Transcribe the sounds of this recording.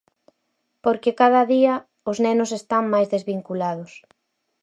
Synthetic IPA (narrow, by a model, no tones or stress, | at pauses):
poɾkekað̞ɐðiɐ | ʊznɛnʊs̬est̪aŋmajzðezβiŋkulaðʊs